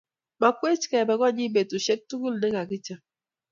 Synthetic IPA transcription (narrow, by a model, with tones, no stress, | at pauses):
ma˨kwe˦t͡ʃi̥˨kɛ˨bɛ˨ɣɔ˦˨ɲi˦be˨tu˨ʃe˦k̚tu˦ɡu˦lne˦ka˨ki˦t͡ʃa˦